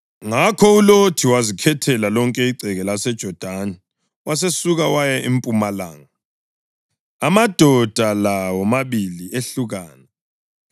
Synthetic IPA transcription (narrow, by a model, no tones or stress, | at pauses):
ŋakʰɔulotʰiwazikʰɛtʰɛlalɔŋkʼɛiǀʱɛɣɛlasɛd̥ʒ̥ʱɔd̥ʱanɛ | was̬esuɣawajɛʔimpʼumala̰ːŋa | mad̥ʱɔd̥ʱalawɔmaβilieɬuɣaːnɛ